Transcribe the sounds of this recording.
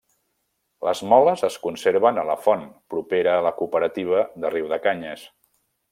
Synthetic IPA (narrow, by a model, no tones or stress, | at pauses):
ləzmɔləzəskunseɾβənələfɔnpɾupeɾəːləkupəɾət̪iβ̞əðəriwðəkaɲəs